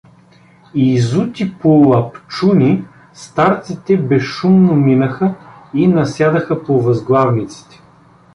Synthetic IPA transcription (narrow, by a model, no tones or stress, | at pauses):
izut̪ʲipolˠɐpt͡ʃunʲi | st̪aɾt̪sit̪ɛbɛʃumnominəxəinɐsʲjad̪əxɐpovɐzɡlˠavnit̪si̥t̪ɛ̥